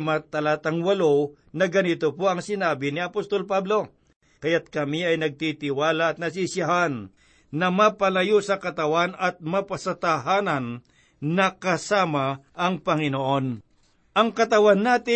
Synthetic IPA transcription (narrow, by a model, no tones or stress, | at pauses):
mɐt̪ɐlaːt̪ɐŋwɐlo | nɐɡɐnɪt̪opoʔɐŋsɪnaːbɪnɪɐpost̪o̞lpablo̞ | kɐjat̪̚kɐmiɐjnɐɡ̚t̪it̪ɪwaːlɐɐt̪̚nɐs̬isjɐɦanː | ɐmapɐlɐjosɐkɐt̪ɐwanɐt̪̚mɐpɐsɐt̪aɦaːnɐn | nɐkɐsaːmɐʔɐŋpɐŋɪnoʔo̞n | ʔɐŋkɐt̪ɐwanːaːt̪ɪ